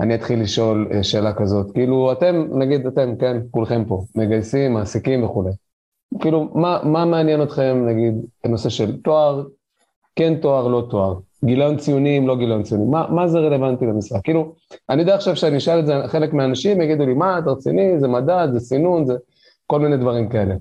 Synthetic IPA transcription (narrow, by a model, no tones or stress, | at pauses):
a̰niat̪χilːiʃo̞lḛʃe̞ːlakazo̞t̪kiiluat̪e̞mnaɡid̪at̪e̞mke̞nkulχe̞mpo̞meɡajsimːaːsikimveχule̞j | kiːlumamameanjeno̞t̪χe̞mnaɡid̪no̞se̞ʃe̞lt̪oaʁ | ke̞nt̪o̞aʁlo̞t̪oaʁ | ɡilajont͡sijunimlo̞ɡilaont͡sijunimːamazeʁele̞vant̪ilemisʁaɡkːiiluanid̪aaχʃavʃeaniiʃalezeχe̞lekmeanaʃimjaɡid̪ulimat̪ʁt͡sinizemad̪at̪zesinunze | ko̞lmined̪vaʁimkae̞le̞